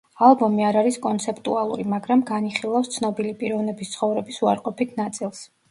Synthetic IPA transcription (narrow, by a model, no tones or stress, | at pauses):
alˠbɔmiaɾaɾiskʼɔnt̪sʰɛpʰt̪ʼualˠuɾimaɡɾamɡaniχilˠafst̪sʰnɔbilipʼiɾɔvnɛbist̪sʰχɔvɾɛbisuaɾqʼɔpit̪ʰnat̪sʼilˠs